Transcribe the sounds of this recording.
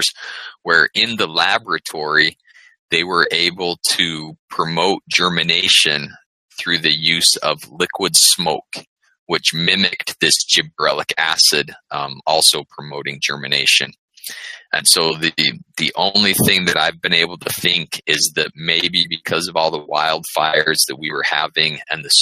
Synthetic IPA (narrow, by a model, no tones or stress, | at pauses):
z̥wə˞ʔɪ̃nðəlæbɹɨtʰɔɹi | ðeɪwə˞ʔeɪbl̩ˠtʰɨpʰɹ̥ɨmoʊt̚d̥ʒ̥ɜ˞mɨneɪʃɨ̃n | θɹʉðɨjʉzʌ̰vlɪkʰwɨd̥smoʊk | wɨt͡ʃmɪ̃mɨk̚tðɪsd̥ʒ̥ɨbɹɛlˠəkʰæ̰sɨdɔlˠsoʊpʰɹ̥əmoʊɾɪ̃ŋd͡ʒɜ̰˞mɨneɪʃɨ̰̃n | ʔɨ̰̃nsoʊðɨðiʔõ̰ʊ̃nliθɪ̃ŋðɨɾaɪvbɨ̃ñeɪbl̩ˠtʰɨθɪ̃ŋkʰɪzðɨt̚meɪbibɨkʰʌzʌvɔlˠðəwa̰ɪlˠd̥faɪə˞zðɨt̚wiwə˞hæ̰vɪ̃ŋɨ̰̃nðɨs